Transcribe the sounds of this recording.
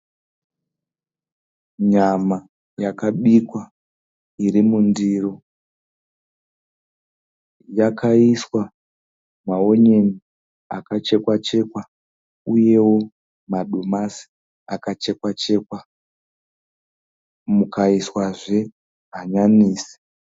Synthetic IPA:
ɲama | jakaɓikwa | iɾimundiro | jakaiswa | mao̞ɲe̞ni | a̰kat͡ʃe̞kwat͡ʃe̞kwa | uje̞wo̞ | maɗomasi̥ | akat͡ʃe̞kwat͡ʃe̞ːkwa | mukaiswaʐe̞ | ɦaɲaniːsi̥

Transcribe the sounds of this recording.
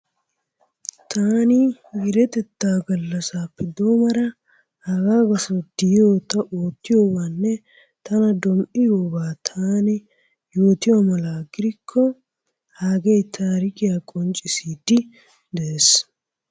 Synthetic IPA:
t̪ʰaːnɪɡɪɾɛt̪ɛt̪ːaːɡɐlːɐsaːpːɛd̪oːmɐɾɐ | hɐɡaːɡɐsɐd̪̥ɪjo̞ːt̪ɐʔoːt̪ːɪjoːbaːnːɛ | t̪ɐnɐd̪ɔmʔɪjoːbaːt̪ʰaːnɪ | joːt̪ɪwamɐlaːɡɪɾɪkʰːɔ | haːɡɛjt̪ʰaːɾɪkʼɪjaːkʼɔnt͡ʃʼːɪsiːd̪ɪ | d̪ɛʔeːs

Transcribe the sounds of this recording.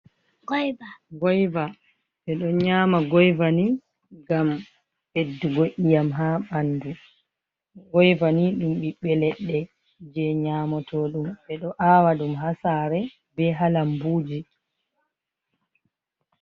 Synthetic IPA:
ɡɔjvaɡɔjva | ɓɛɗɔɲaːmaɡɔjvani | ɡam | hedːuɡoʔijamɦaɓandu | ɡɔjvaniɗumɓiɓɛlɛɗːɛ | d͡ʒɛɲaːmɔtʰɔɗumɓɛɗɔʔaːwaɗumɦasaɾɛ | bɛɦalambuːd͡ʒi

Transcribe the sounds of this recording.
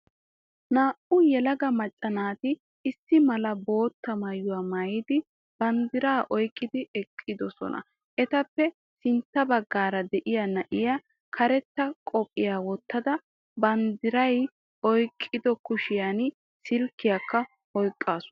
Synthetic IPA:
naːʔʊjɛlɐɡɐmɐt͡ʃʼːɐnaːt̪ɪ | ɪsːɪmɐlɐbo̞ːt̪ːɐmɐjʊwaːmɐjɪd̪ɪ | b̥ɐnd̪ɪɾaːʔɔjkʼːɪd̪ɪɛkʼːɪd̪ɔsɔ̰nʔɐ̰ | ʔɛt̪ɐpːɛ | sɪnt̪ːɐbɐɡːaːɾɐd̪ɛʔɪjanɐʔɪja | kʰɐɾɛt̪ːɐkʼɔpʼːɪjaːwɔt̪ːɐd̪ɐ | bɐnd̪ɪɾɐj | ɔjkʼːɪd̪ɔkʊʃɪjan | sɪlkːɪjakːɐ | ɔjkʼːaːsʊ

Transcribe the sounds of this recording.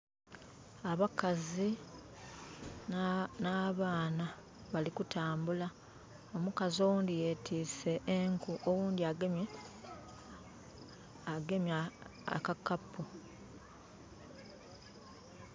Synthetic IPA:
aβakazi | naβaːna | βalikutʰaːmbula | omukazowuːndije̞ːtʰiːse̞ʔːŋkuʔowuːndiaɡemje | ɡe̞mja̰kakːapːu

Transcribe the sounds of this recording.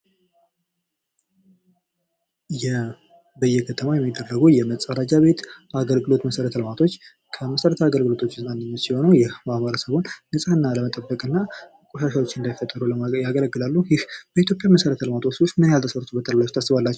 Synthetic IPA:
jɛ | bəjːɛkʰət̪ʰəmajɛmːid̪ːərːəɡujɛməsʼəɾad͡ʒaβe̞t̪aɡəlɡɨlo̞t̪məsəɾət̪ʰəlmat̪ʰo̞t͡ʃː | kʰəməsəɾət̪ʰəaɡəlɡɨlo̞t̪ʰo̞t͡ʃːɪznʼanːɨɲːət̪siho̞nəwjɛamaɾasəβonnɨsʼəhɨnːaləmət̪ʼəbːəkʼɨnːa | kʼoʃaʃao̞t͡ʃːɨnd̪ajifːət̪ʼːəɾuəjaɡələɡːɨlalːujɪhbəit̪jo̞pʼjaməsəɾət̪ʰəlmat̪ʰo̞sosmɨnjalt̪ʰəsəɾt̪ʰubət̪ʼəɾlajost̪ʰasːɨβalːat͡ʃːɛ

